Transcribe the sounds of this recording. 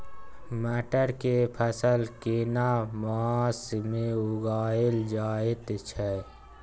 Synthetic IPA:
mɛːʈəɾkepʰəsəlkienamasmeʊɡaːeld͡ʒaːet̪t͡ʃʰɛ

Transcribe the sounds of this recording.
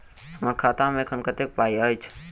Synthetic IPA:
əməɾkʰaːt̪ãmẽkʰənkət̪ek̚paːiaːit͡ʃʰ

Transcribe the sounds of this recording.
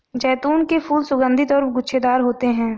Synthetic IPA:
d͡ʒɛːt̪uːnkepʰuːlsʊɡə̃nd̪ʱit̪ɔːɾpɡʊːʃʰed̪aːɾɦoːt̪eɦɛ̃ː

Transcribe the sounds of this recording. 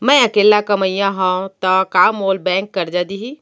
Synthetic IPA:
mɛ̃əkelːakəməjãɦə̃t̪ɔkamolbɛ̃ŋkːəɾd͡ʒad̪iɦi

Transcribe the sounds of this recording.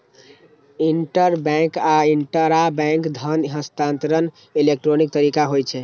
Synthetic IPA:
iɳʈəɾbɛ̃ŋkaiɳʈəɾabɛ̃ŋkd̪ʱənɦəst̪ãnt̪ɾən | ilek̚ʈɾonik̚t̪əɾikaɦojt͡ʃʰɛ

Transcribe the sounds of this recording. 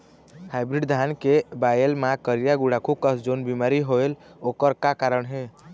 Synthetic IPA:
haɪbɾiɖd̪ʱankebajelmakəɾijaɡuɽakʰub̚kəsd͡ʒonbimaɾiɦoel | okəɾkakaɾəɳɦe

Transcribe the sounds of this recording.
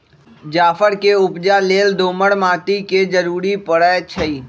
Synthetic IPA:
d͡ʒaːfʰəɾkeʊpd͡ʒaleːld̪oːməɽmaːt̪iked͡ʒəɾuːɾipəɽət͡ʃʰəiː

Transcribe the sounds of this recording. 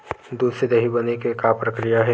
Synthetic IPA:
d̪uːsed̪ɐɦibɐnekekapɾɐkɾijaɦɛ

